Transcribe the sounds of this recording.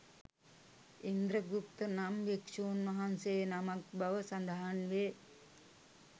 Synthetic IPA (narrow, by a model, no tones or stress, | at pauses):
ind̪ɾɐɡukt̪ənamʋekʂuːnmɐɦansejnɐmak̚bɐʋəsɐnd̪aɦanʋeː